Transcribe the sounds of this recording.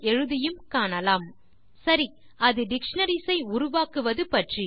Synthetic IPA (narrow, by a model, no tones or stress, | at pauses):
ɛɻɯðɪjɯmkaːɳɐlaːm | sɐɾi | ʔɐðɯɖɪkʂɳɐɾisɐɪʊɾʊʋaːkɯʋɐðɯpɐʈri